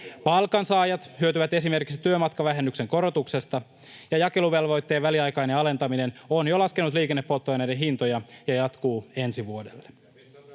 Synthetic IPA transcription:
pɑlkɑnsɑːjɑt̪hyøt̪yʋæt̪e̞sime̞rkiksi̥t̪yømɑt̪kɑʋæɦe̞nːykse̞ŋko̞ɾo̞t̪uksest̪ɑ | jɑjɑke̞luʋe̞lʋo̞jt̪ːe̞ːʋæliɑjkɑjneɑle̞nt̪ɑmine̞no̞njolɑskenːut̪liːke̞nːepːo̞lt̪ːojɑnejdenɦint̪o̞jɑjɑjɑt̪kuːe̞nsiʋuo̞de̞̰lːe

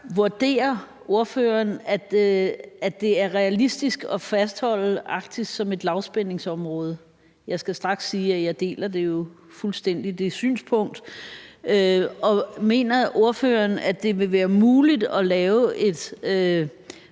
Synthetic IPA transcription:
ʋuɐd̥e̝̰ːɐ | o̝ɐføːɐnæ̥ | æd̥e̝æɐʁɛælisd̥isɡ̥ɒ̽fæsd̥hɒ̽l̰ɑ̈ɡ̥d̥i̥sɒ̽me̝d̥lɑ̈ʊsb̥en̰e̝ŋsɒ̽mʁɔ̽ːð̞ˠə | jɑ̈ɪsɡ̥æsd̥ʁɑ̈ɡ̥sːiːæjɑ̈ɪd̥e̝̰ːlɐd̥e̝jo̝ | fulsd̥en̰d̥id̥e̝sy̰ːnspʰɔ̽ŋ̰d̥ | øɒ̽me̝̰ːnɐo̝ɐfø̰ːɐnæd̥e̝ʋe̝ʋæːɐmuːlid̥ɒ̽lɛːʊʔe̝d̥ø

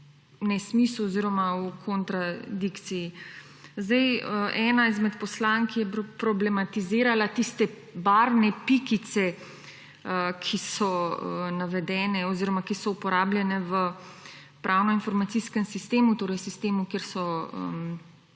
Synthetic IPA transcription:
nɛsmisuɔziːɾɔmaukʰɔnt̪ɾad̪ikt̪siji | zd̪ɛjəʔɛːnaizmɛt̪pɔslaŋkijɛpɾɔblɛmat̪iziːɾalat̪ist̪ɛ | baɾnɛpikit̪sɛ | əkʰisɔənaʋɛd̪ɛːnɛɔziɾɔmakisɔupɔɾaːblʲjɛnɛʋə | pɾʔaːwnɔinfɔɾmat̪siskɛmsist̪eːmut̪oːɾɛjsist̪eːmukeɾsɔə̰m

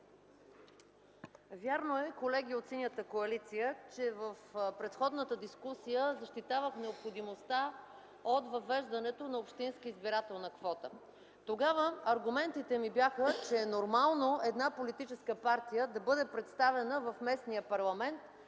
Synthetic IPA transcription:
vʲjaɾnoɛkolɛɡ̟iot̪sinʲjət̪əkoɐlit̪sijət͡ʃɛvəfpɾɛt̪xɔd̪nət̪əd̪iskusijəzɐʃt̪it̪avəxnɛopxod̪imost̪a | ot̪vɐvɛʒd̪ɐnɛt̪onɐopʃt̪inskiizbiɾat̪ɛlˠnɐkvɔt̪ə | t̪oɡavəɐɾɡʊmɛnt̪it̪ɛmibjaxət͡ʃɛnoɾmalˠnoɛd̪napolit̪it͡ʃɛskəpaɾt̪ijəd̪ɐbɤd̪ɛpɾɛt̪st̪avɛnəvɐfmɛsnijəpɐɾlˠɐmɛnt̪

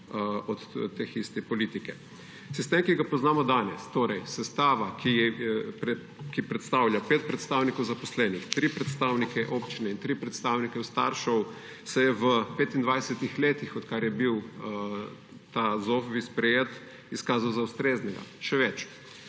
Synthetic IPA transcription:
ɔt̪t̪ːexist̪ɛpɔlit̪ikɛ | sist̪eːmkiɡapɔznaːmɔd̪aːnɛst̪oːɾɛjsɛst̪aːʋakiɛpɛ | kipɾɛt̪st̪awljapeːt̪̚pɾɛt̪st̪awnikɔwzapɔslɛːnixt̪ɾipɾɛt̪st̪awnikɛʔoːpt͡ʃinɛint̪ɾipɾɛt̪st̪aːwnikɛwst̪a̰ːɾʃɔw | sɛjɛʋəpeːt̪ind̪ʋajsɛt̪ixleːt̪ixɔt̪kaɾjɛbiw | t̪azofbispɾɛjeːt̪ | iskaːzawzaust̪ɾeːznɛɡa̰ʃɛʋɛt͡ʃ

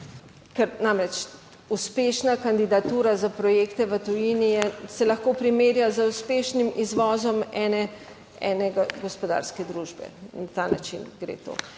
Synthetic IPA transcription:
kɛɾnamɾɛt͡ʃ | uspeʃnakand̪id̪at̪uːɾazapɾɔjeːkt̪ɛʋət̪ujiːnijɛsɛlɐxkoːpɾimeːɾjazauspeːʃnimizʋɔːzɔmɛːnɛ | ɛ̰nɛɡaɡɔspɔd̪a̰ːɾskɛd̪ɾuːʒbɛ̰nat̪ana̰t͡ʃḭnɡɾḛːt̪o̰ː

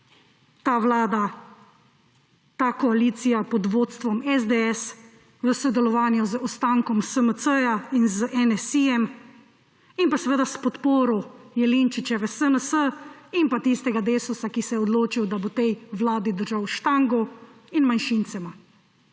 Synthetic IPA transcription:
t̪aːʋlaːd̪a | t̪akɔaliːt̪sijapɔd̪ʋoːt̪st̪ʋɔmɛzd̪eɛs | ʋəsɔd̪ɛlɔʋaːnjɔzɔst̪aːŋkɔmsəməsəjainzʔɛnɛsijɛm | impasɛʋeːd̪aspɔt̪poːɾɔjɛlint͡ʃit͡ʃɛʋɛsənəsəimpat̪ist̪ɛɡad̪eːsusakisɛjɛɔd̪loːt͡ʃiwd̪abot̪ɛjʋlaːd̪id̪əɾʒawʃt̪aŋɡɔ | inmanʃint̪sɛma

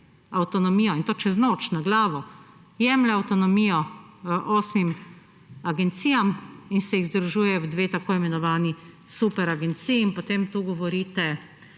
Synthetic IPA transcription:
awt̪ɔnɔmiːjɔint̪oːt͡ʃɛznoːt͡ʃnaɡlaːʋɔ | jɛmlɛawt̪ɔnɔmiːjɔʔoːsmim | aɡɛnt̪siːjaminsɛjiɣzd̪ɾuʒuːjɛwd̪ʋeːt̪akoːimɛnɔʋaːni | supɛɾaɡɛnt̪siːiinpot̪eːmt̪uːɡɔʋɔɾiːt̪ɛ

